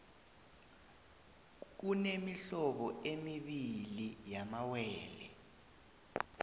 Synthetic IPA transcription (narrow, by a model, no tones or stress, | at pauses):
k̬unemiɬɔɓɔemiɓilijamawɛːlɛ̰